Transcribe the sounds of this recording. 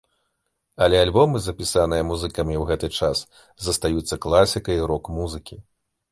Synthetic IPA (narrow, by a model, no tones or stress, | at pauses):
ɐlʲɛalʲbɔmɨzɐpʲisanɨjɐmuzɨkɐmʲiwɣɛt̪ɨt͡ʂas | zɐst̪ajut̪sːɐklˠasʲikɐiɾɔkmuzɨkʲi